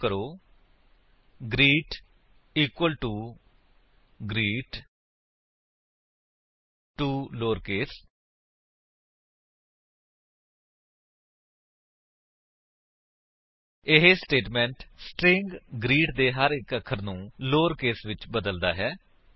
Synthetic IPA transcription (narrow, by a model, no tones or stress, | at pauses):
kəɾoː | ɡɾiːʈ | iːkwəlʈuː | ɡɾiːʈ | ʈuːloːɾkeːs | ɪɦeːsʈeːʈmɛ̃ːɳʈsʈɾɪ̃ŋɡɡɾiːʈd̪eːɦəɾɪkəkʰəɾnũːloːɾkeːsʋɪt͡ʃbəd̪əld̪a̰ːɦɛː